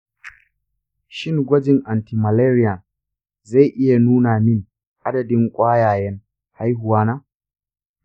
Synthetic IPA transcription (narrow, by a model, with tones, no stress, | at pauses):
ʃɪ˦ŋɡʷɐ˦d͡ʒɪ˨ŋʔa˨nti˨ma˨leː˦ɾɪ˦ja˨ | za˦˨ʔɪ˦ja˨nuː˦naː˨mɪ˦ŋ | ʔa˦dɐ˨dɪ˦ŋkʷʼaː˦jaː˨jɛ˦ŋ | ha˦jhʊ˨waː˦naː˦